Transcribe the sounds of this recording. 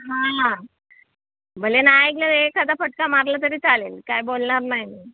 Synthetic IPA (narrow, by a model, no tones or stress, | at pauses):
ɦã | bʱəlenaeɡlaekʰad̪afəʈkamaɾlat̪̬əɾiːt͡salelkajbolɳaɾnajni